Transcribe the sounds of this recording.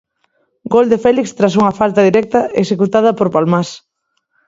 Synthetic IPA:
ɡold̪efɛlikst̪ɾas̬uŋɐfalt̪ɐðiɾɛk̚t̪ɐḛksekut̪að̞ɐpoɾpalmas

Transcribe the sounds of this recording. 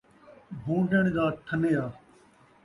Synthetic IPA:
bʱũːɖəɳ̃d͡ʑaːt̪ʰəneːaː

